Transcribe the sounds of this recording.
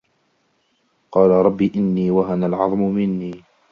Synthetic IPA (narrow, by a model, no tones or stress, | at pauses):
qɑːlaɾˤɑbːiːʔɪnːiːwaɦanalʕɑðˤmʊmɪnːiː